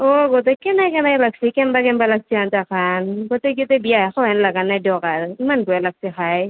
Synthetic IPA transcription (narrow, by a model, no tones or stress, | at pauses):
oɡɔtɛkɛnajkɛnajlaɡsikɛmbakɛmbalaɡ̚siantakʰanɡotɛɡitɛbijaxɔɦɛnlaɡanajdɔkaɹimanbɔjalaɡ̚sixaj